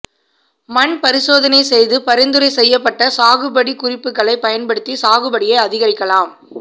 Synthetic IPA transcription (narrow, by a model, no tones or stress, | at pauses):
mɐnpɐɾɪsoːðɐnɐɪsɛjðɯpɐɾɪnd̪ɯɾɐɪsɛjːɐpːɐʈːɐsaːɣɯbɐɽikʊrɪpːɯkːɐɭɐɪpːɐjɐnpɐɽɯt̪ːisaːɣɯbɐɽɪjɐɪɐðɪɣɐɾɪkːɐlaːm